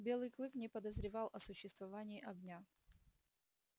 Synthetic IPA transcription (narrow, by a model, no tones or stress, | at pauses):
bʲe̞lˠɨjklˠɨknʲɪpəd̪əzɾʲɪvɑlˠʔɐsʊɕːɪst̪vɐvanʲɪːʔɐɡnʲa